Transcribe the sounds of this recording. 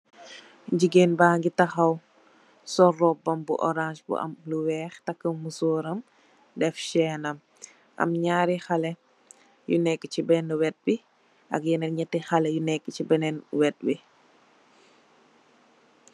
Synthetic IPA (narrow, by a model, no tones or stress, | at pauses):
ɟiɡeːnbaːŋɡitɐxɐw | sɔrɔbɐmbṵʔɔ̰ɾãːʃbṵʔɐ̰mluwɛːxtɐkːəmusɔːɾɐm | dɛfʃɛːnɐm | ʔɐ̰mɲaːɾixɐlɛ | jṵnɛkːət͡ʃibɛnuwɛt̚bi | ʔɐ̰kjɛnɛɲɛtːixɐlɛjunɛkːət͡ʃibɛnɛnwɛt̚bi